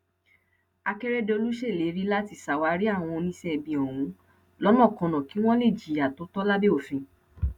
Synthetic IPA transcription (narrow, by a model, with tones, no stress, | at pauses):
a˧kɛ˦ɾɛ˦de˦˧o˧lu˦ʃe˦˨le˨˦ɾi˦la˦ti˦˨sa˨wa˧˦ɾi˦a˦˨w̃ɔ̃˧o˧nĩ˦sɛ˦˨bĩ˨ɔ˨w̃ũ˨˦ | lɔ˦mɔ̃˦˨kɔ̃˨˧nã˨ki˨˦w̃ɔ̃˦le˦˨d͡ʒi˨˦a˨to˨˦tɔ˦la˦be˦o˦˨fĩ˧